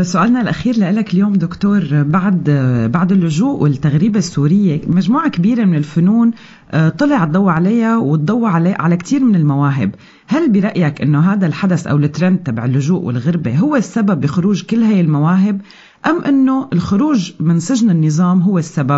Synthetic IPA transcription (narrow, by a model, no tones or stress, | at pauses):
sʊʔaːlnalʔaxiːɾlaʔɪlakɪljoːmd̪ʊkt̪oːɾbaʕd̪baʕd̪ɪlːʊʒuːʔwɪlt̪ːaɣɾiːbesːuːɾɪjːemaʒmuːʕakabiːɾemɪnɪlfʊnuːn | t̪ˤːɨlɑʕt̪̚ˤd̪ˤɑwːʕalajːawɪt̪̚d̪ˤɑwːʕleʕalakt̪iːɾmɪnɪlmawaːɦɪ̰b | halbɪɾˤɑʔjakʔɪnːoɦaːd̪alħad̪asʔa̰wlɪt̪ːɾɑnd̪̚t̪ːabaʕɪlːʊʒuːʔwɪ̰lɣɪɾbeɦʊwːesːababːɪxʊɾuːʒkɪlːɦaːjɪlmawaːɦɪb | ʔamːʔɪnːoʔɪlxʊɾuːʒmɪnsɪʒnɪnːɨzˤɑːmɦʊwːesːabab